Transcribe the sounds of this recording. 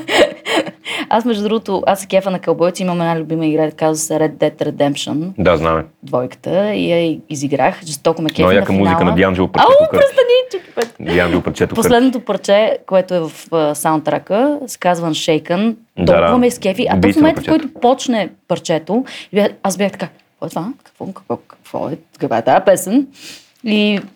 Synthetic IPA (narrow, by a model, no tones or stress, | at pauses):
asmɛʒd̪ud̪ɾuɡot̪ʊʔasɛ̥kʲɛfənɐkɐlˠbɔj̪sʲiimɐmɛd̪nalʲʊbiməiɡɾɛd̪kazvəsɛɾɛd̪ɛt̪ɾɛd̪ɛmpʃə̰nd̪azna̰mɛd̪vɔjkə̥t̪əḭjaiiziɡɾaxʒist̪ɔkɐmɛkʲɛjakəmmuzikənɐd̪janʒɛpɾaokɾɐsɐnʲit͡ʃuki̥pɛt̪d̪ʲjanʒɛpɐɾt͡ʃɛt̪ʊposlɛd̪not̪ʊpəɾt͡ʃɛkoɛt̪ʊɛvəfsaʊ̃nt̪ːɾa̰kəsɛ̥kazvənʃɛjkən | d̪ɔad̪avɐmɛiskʲɛfiʔɐtb̪ɔmomɛnt̪fkɔjt̪ʊpɔt͡ʃnɛpɐɾt͡ʃɛt̪oibʲaxasbʲjaxt̪ɐ̥ka | vɔɛt̪vakɐ̥kvɔ̰kə̥kvɔkɐ̥kvɔ̰ɛ | kɐkva̰ɛt̪aɛpɛsən | i